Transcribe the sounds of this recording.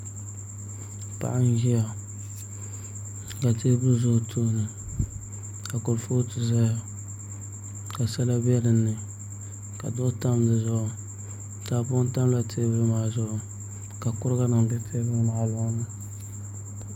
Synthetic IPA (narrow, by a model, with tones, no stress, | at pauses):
pa̰˦˨ʔa˦n˦ʒi˦ja˨ | ka˨teː˦bɨ˦lzʊ˦ʔtʰoː˦nɨ˨ | ka˨kʊ˨ɾfo˦tɨ˦za˦ja˨ | ka˨sɛ˦la˦bɛ˦lɨ˨nːɨ˨ | ka̰˨dʊ˦ta˦mdɨ˨zʊ˦ʔʊ˨ | taː˨˦pʊ˦n˦ta˦mla˨tʰeː˦bɨ˦lmaː˨zʊ˦ʔʊ˨ | ka˨kʊ˦ɾɡa˦na˨ŋdɨ˦tʰeː˦bɨ˦lma˨ʔla˦nɨ˦